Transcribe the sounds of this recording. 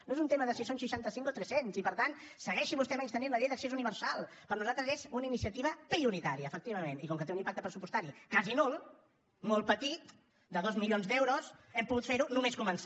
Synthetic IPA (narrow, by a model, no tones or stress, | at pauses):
noezunt̪eməðəsisonʃiʃant̪əsiŋkot̪ɾɛsensipəɾt̪ansəɣɛʃiβust̪ɛmɛɲst̪əninləʎɛjðəksez̬uniβəɾsalˠpəɾnuzalˠt̪ɾəzezunəinisiət̪iβ̞əpɾiuɾit̪aɾiəːfək̚t̪iβəmenikɔŋkət̪eunĩmpak̚t̪əpɾəsupust̪aɾikazinolˠ | molˠpət̪it̪̚ | d̪əðɔzmiʎonzðd̪ɛwɾosɛmpuɣut̪feɾunumeskuməns